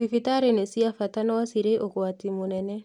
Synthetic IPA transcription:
ifitaɾenesiafatanɔwasiɾeʔokwatimonɛnɛ

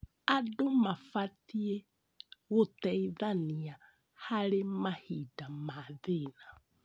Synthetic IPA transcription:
adʊmafatiɛ | ɣʊtɛiðania | haɾemahidamaðɪna

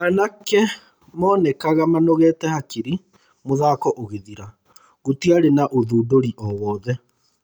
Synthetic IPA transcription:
anakɛ | mɔːnɛkaɣamanoɣɛtɛhakiɾi | moðaːkɔʔoɣeðiɾa | ɣotiaɾenaʔoðuːdoɾiʔɔwɔːðɛ

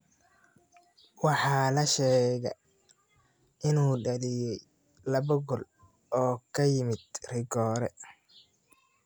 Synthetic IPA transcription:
wɑħɑːlɐʃɛːɣɐ̰ | ʔɪnuːɖɐlɪjɛj | lɐβɐɡɔl | ʔɔːkʰɐjɪmɪd̪̥rɪɡɔːɾɛ

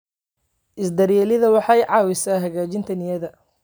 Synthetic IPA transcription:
ʔɪsd̪ɐɾjɛːlɪðɐwɑħɑjʕɑːwɪsaːɦɐɣaːt͡ʃɪnt̪ʰɐnɪjɐðɐ

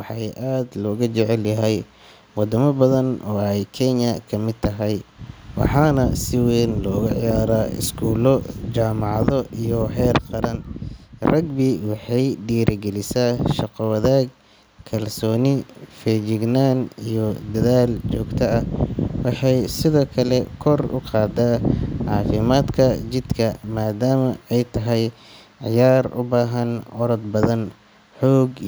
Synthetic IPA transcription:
wɑħɑjʔaːd̪lɔːɣɐt͡ʃɛʕɛljɐɦɛj | wɑd̪ɐmɐbɐðɐnɔːɛjkʰɛnɐkʰɐmɪd̪̚t̪ʰɐɦɛjwɑ̰ħɑːnɐsɪwɛːnlɔːɣɐʕjaːɾaːɪ̰skʰuːlɔt͡ʃaːmɑʕɑðɔijɔɦɛːrqɑɾɐnrɐɡbɪwɑħɑjɖiːɾɪɡɛlɪsaːʃɑqɔwɑðaːɡ | kʰɐlsɔːnɪfɛd͡ʒɪɡnaːnijɔd̪ɐðaːlt͡ʃɔːɡt̪ʰɐɐwɑħɑjsɪðɔːkʰɐlɛkʰɔrʊ̰qɑːd̪aʕɑːfɪmaːd̪kʰɐt͡ʃɪd̪kʰɐmaːd̪aːmɐɛjt̪ʰɐɦɛj | ʕɪjaːrʊ̰baːɦɐnɔɾɐd̪̚bɐðɐn | ħɔːɡ

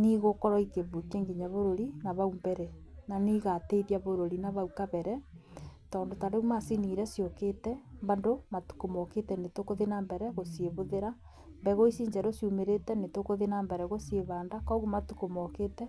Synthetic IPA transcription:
niɣokɔɾɔikeβukeːŋɡeɲaβoɾoɾinaβaumbɛɾɛnaniɣateiðiaβoɾoɾinaβaukaβɛɾɛ | tɔːndotaɾeumasiniɾɛsjokeːtɛmβandomatu̥komɔketɛnetokoðenambɛɾɛɣosieβoðeɾa | mbɛɣoisiːɲd͡ʒɛɾosjumeɾetɛnetokoðenambɛɾɛɣosieβaːndakɔɣumatu̥komɔketɛ

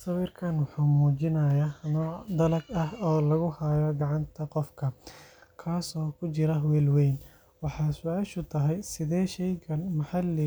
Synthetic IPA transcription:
sɐwiːrkʰɐnwɑħuːmuːt͡ʃɪnɐjɐnɔːʕd̪ɐlɐɡɐhɔːlɐɣʊhɐjɔɡɑʕɑnt̪ʰɐqɔfkʰɐkʰaːsɔːkʰʊt͡ʃɪɾɐɦwɛːlwɛjn | wɑħɑːsʊaːʃʊt̪ʰɐɦɛjsɪðɛːʃɛjkʰɐnmɐħɑlɛ

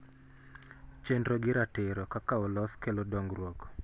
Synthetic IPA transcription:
t͡ʃendɾɔɡɪɾatɪɾɔkakaɔlɔskelodoŋɡɾwɔkɔ̥

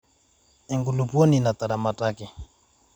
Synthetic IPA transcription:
ɛŋɡulupwɔninat̪aɾamatakɛ

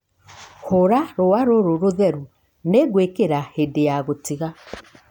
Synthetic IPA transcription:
hoɾaɾowaɾoɾoɾoðɛɾu | neɡwekeɾahedejaɣotiɣa

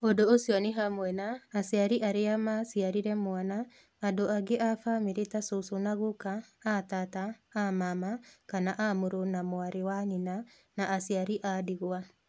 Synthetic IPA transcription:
odoːsjɔneɦamwɛnaːsiaɾiʔaɾeamasiaɾiɾɛmwanaː | doaɡeʔafamiɾetasosonaɣokaːtataːmamakanaʔamoɾonamoaɾewaɲina | naʔasiaɾiʔadiɣwa

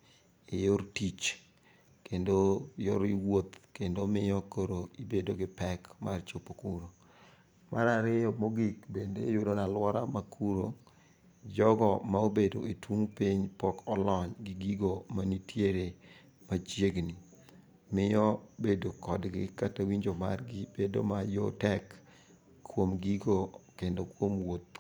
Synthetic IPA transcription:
ɪjoɾtit͡ʃ | kendojoɾiwot̪kendomɪjɔkoɾoibedoɡɪpɛkmart͡ʃopokuɾo | maɾaɾɪjɔmoɡikbendḛjʊdonalwɔɾamakʰuɾo | d͡ʒɔɡɔmaobedo̰etwuŋpiɲpɔkʰɔlɔɲɡɪɡiɡomanitjeɾe | mat͡ʃjeɡni | mɪɔbedokɔdɡɪkatawiɲd͡ʒomarɡɪb̥edo̰majotɛk | kʰːwomɡiɡokendokwomwot̪̚

